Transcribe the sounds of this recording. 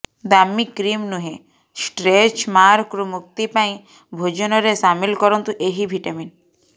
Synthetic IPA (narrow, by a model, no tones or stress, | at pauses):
d̪amːikɾimnuɦe | sʈɾet͡ʃmaɾkɾumuk̚t̪ipaj̃ | bʱod͡ʑonɔɾeʃamilkɔɾont̪uʔeɦibʱiʈamin